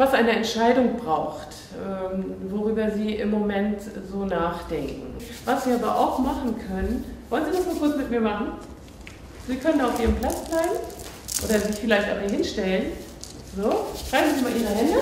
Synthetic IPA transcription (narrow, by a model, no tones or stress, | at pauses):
vasʔaɪnəɛntʃaɪdʊŋbʁaʊxt | ʔɛːmvoʁyːbɐziːʔɪ̰mːomɛntz̥oːnaːχd̥ɛŋkŋ̩vasv̥iːʔaːbɐʔa̰ʊxmaχn̩kʰœnənv̥ɔlənziːdasmaːlkʊɐt͡smɪt̚miːɐmaχn̩ | z̥iːkʰœnəndaʊfʔiːʁəmpl̥at͡sb̥laɪɡn̩ | ʔo̰ːdɐzifɪlaɪçta̰ːbmaɦɪnʃtɛlən | zoːʃʁaɪbm̩ziimaːlʔiːnahɪnə